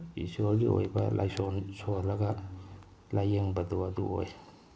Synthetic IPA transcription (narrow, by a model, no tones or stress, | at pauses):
isoɾɡio̰jbɐ̰lʔa̰jsonsolɐɡɐ | lajeŋbɐduɐdṵo̰j